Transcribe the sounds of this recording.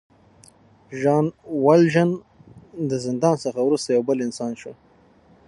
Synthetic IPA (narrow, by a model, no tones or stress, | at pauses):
ʒɑːnwalʒən | d̪əzɪnd̪ɑnsəxawɾust̪ajawbəlɪnsɑnʃo